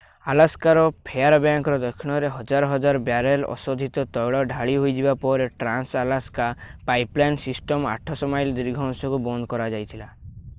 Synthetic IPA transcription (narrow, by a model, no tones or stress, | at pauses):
alaskaɾɔpʰeaɾɔbjaŋkɔɾɔd̪ɔkʰːiɽ̃ɔɾeɦɔd͡ʒaɾɔɦɔd͡ʒaɾɔbjaɾelɔ̰sɔd̪ʱit̪ɔt̪ɔjɭɔɖʱaɭiɦojd͡ʒibapɔɾeʈɾansalaskapajplajnsisʈɔma̰ʈʰɔsɔmajld̪iɾɡʱɔnsɔkubɔnd̪kɔɾad͡ʒajt̪ʰila